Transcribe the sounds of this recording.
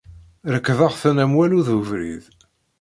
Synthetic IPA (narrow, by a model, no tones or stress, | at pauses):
ɾəkːvəʁθənæmwæluðuvɾḭð